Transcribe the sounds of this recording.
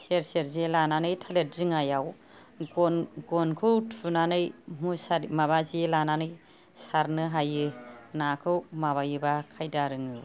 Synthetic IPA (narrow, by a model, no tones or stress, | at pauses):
seɾseɾzelananɯjtʰalet̚zɯŋajaw | ɡɔnkʰɯwtʰunanɯjmusaɾmaβazielananɯj | saɾnɯɦajɯnakʰɯwmaβajɯbakʰajdaɾɯŋɯ